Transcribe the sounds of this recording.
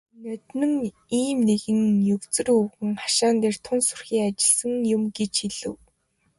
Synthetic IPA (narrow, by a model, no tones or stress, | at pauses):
nœt̪nɘ̆ŋ | iːmneɣɘ̆ŋjɵwt͡sɘ̆rɵwɣɘ̆ŋχḁʃaːnt̪eːr̥t̪ʰʊnsʊr̥xiːŋat͡ɕɪ̆ɮsə̆ŋjʊmɡet͡ɕxiɮɘ̆w